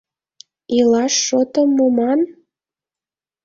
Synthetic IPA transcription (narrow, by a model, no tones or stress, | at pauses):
ilɑʃːot̪əmːomɑn